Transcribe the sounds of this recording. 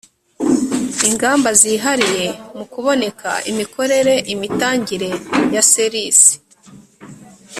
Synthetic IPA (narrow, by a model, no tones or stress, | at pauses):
iŋɡaːmbaziːɦaɾije̞mukuβo̞ne̞kʰa̰imikʰo̞ɾe̞ɾe̞ʔimitaːɲɟiɾe̞jaseɾisi̥